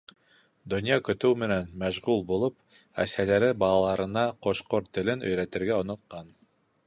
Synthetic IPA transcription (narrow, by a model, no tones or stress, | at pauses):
d̪ŏnʲjɑkɵ̆t̪ɵwmɘ̆nænmæʒʁulˠbulˠop̚ | æ̰sælæɾɘbɑlˠɑlˠɑɾɤ̆nɑqoʃqoɾt̪ɘ̆lɘnɵ̆jɾæt̪ɘ̆ɾɡæŏnŏt̪̚qɑn